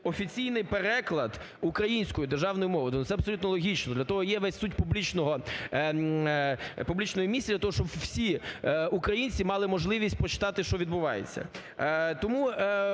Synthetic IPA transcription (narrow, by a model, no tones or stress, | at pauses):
ɔfʲit͡sʲijnɪjpeɾɛklˠɐd̪ | ukɾɐjinʲsʲkɔjʊd̪erʒɑwnɔjʊmɔʋɔd̪ʊnʊt̪sɛɐbsɔlʲut̪nɔlˠɔɦʲit͡ʃnɔd̪lʲɐt̪ɔɦɔjɛʋɛsʲsutʲpublʲit͡ʃnɔɦɔ | publʲit͡ʃnɔjʊmʲisʲdlʲɐt̪ɔɦɔʃt͡ʃɔbwsʲiukɾɐjinʲt͡sʲimɑlˠɪmɔʒlˠɪʋʲisʲt̚ʲpɾɔt͡ʃɪ̥t̪ɑt̪ɪʃt͡ʃɔʋʲid̪bʊʋɑjḛt͡sʲːɐ̰ | t̪ɔmu